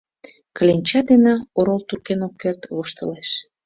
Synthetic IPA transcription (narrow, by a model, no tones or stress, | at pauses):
kəlʲenʲt͡ɕɑd̪enɑoɾolt̪urkenokːert̪βoʃt̪ə̆leʃ